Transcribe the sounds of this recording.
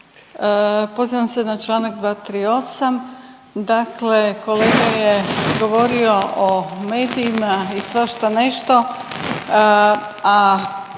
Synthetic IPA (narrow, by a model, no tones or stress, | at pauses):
po̞ziʋamse̞nat͡ʃlˠaːnak̚d̪ʋaːt̪ɾiːo̞sam | d̪akle̞ko̞le̞ːɡajeɡo̞ʋo̞ɾio̞ʔomeːd̪iːmaisʋaʃt̪ane̞ʃt̪o̞ | a